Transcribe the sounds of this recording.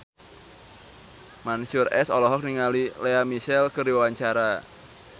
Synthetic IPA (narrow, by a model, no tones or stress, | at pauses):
mansʊrɛsɔlɔɦɔk̚niŋalileamiʃɛlkəɾiwawaɲt͡ʃaɾa